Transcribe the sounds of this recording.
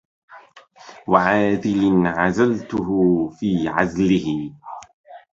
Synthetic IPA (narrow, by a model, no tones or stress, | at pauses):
waʕaːd͡ʒɪlɪnʕazalt̪ʊɦʊfiːʕazlɪhɪ